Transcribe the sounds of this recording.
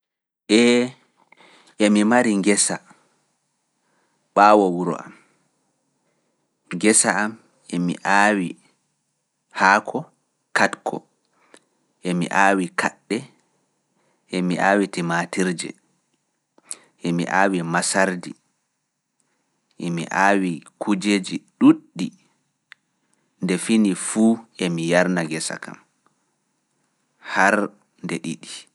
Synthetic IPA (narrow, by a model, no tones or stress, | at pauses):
ʔɛ | ʔɛmimaɾiŋɡɛsa | ɓaːwɔwuɾɔ̰a̰m | ŋɡɛsaːm | ɛmḭʔaːwi | haːkʰɔ | katkʰɔ̰ | ʔɛmḭʔaːwikʰaɗːɛ | ʔemiʔaːwitimatiɾd͡ʒɛ̰ | ʔemḭʔaːwimasaɾdi | ʔemḭʔaːwikud͡ʒeːd͡ʒiɗuɗːi | ndɛfinifuːʔemijaɾnaɡɛsa̰ka̰m | haɾ | ndeɗiɗi